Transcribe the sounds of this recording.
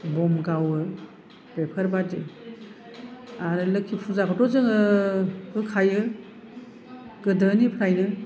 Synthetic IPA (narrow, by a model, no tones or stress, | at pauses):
bɔmɡawɯ | bepʰəɾbati | aɾɯlɯkʰipʰuzakʰɔtɔzɯŋɯ | ɡɯkʰajɯ | ɡ̥ɯdɯnipʰɯɾajnɯ